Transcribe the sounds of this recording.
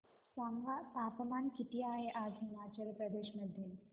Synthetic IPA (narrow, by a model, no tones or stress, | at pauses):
saŋʋat̪aːpɐmaːnkit̪ijaːjeʔaːdʱɦimaːt͡ʃɐlpɾɐd̪eːʃmɐd̪ʱjɐn